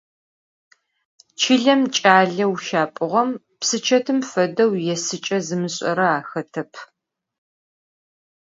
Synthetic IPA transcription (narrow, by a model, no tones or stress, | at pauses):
t͡ʃʰiɮɐmt͡ʃʼaːɮɐwʃaːpʼɨʁɐm | psɨt͡ʃʰɐtʰɨmfɐdɐwjɛsɨt͡ʃʼɐzɨmɨɕʼɐɾɐaːxɐtʰɐpʰ